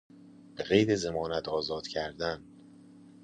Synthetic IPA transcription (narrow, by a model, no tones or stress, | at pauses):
b̥eɣejɾezemɒːnæt̪ʰɒːzɒːd̪̥cʰæɾd̪æn